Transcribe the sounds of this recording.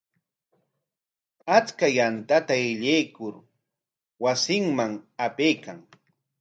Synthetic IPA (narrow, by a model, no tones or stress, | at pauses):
at͡skajant̪at̪aɪʎejkʊɾ | wasɪŋmaŋapejkaŋ